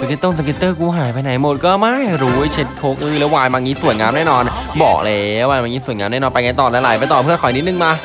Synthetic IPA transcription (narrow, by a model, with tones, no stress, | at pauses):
sa˧ki˦˥t̪ːɤː˥˩sa˧k̬i˧˦˥t̪ːɤː˥˩kuː˧˥ɦaː˨˩˦jp̬a˧jna˨˩˦jmo˨˩t̪̚kɔː˥˩ma˥˩jɾuː˦˥t͡ɕʰe˦˥t̪̚tʰoː˦˥k̚ʔɯː˧˥˩lɛ˨˦˥waː˧jma˧ŋiː˦˥su˨˩ənŋaː˦˧˥mnɛː˥˩nɔː˧nbɔ̰ː˨˩k̚le˧˦˥waː˧maː˧ŋiː˦˥su˨˩ənŋaː˦˧mnɛː˥˩nɔː˧npa˧jŋa˧jt̪ɔː˨˩lɛ˦˥laː˨˦jpa˧t̪ɔː˨˩pʰɯ˥˩əkʰɔ˨˦jni˦˥t̪̚nɯ˨˩ŋmaː˧